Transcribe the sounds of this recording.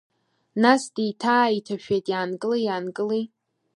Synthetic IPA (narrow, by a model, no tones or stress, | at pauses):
nasdijtʰaːitʰaʃᶣejtʼjaːnɡʼɨlejaːnkʼɨlij